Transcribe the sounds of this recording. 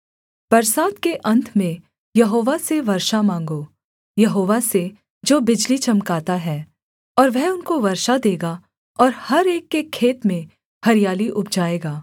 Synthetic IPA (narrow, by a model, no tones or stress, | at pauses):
pɐɾsaːd̪keʔɐ̃nt̪ʰmẽ | jɐɦoːʋaseʋɐɾʃamãːŋɡoː | jɐɦoːʋase | d͡ʒoːbɪd͡ʒlit͡ʃɐmkaːt̪aɦɛː | ɔːɾʋɛɦʊnkoʋɐɾʃad̪eːɡa | ɔːɾhɐɾeːkːekʰːeːt̪mẽ | hɐɾijaːliʔʊp̚ʰd͡ʒaːeːɡaː